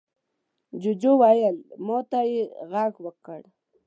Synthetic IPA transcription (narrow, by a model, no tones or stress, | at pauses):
d͡ʒʊd͡ʒowajəlmot̪ajeɣaɡwəkəɽ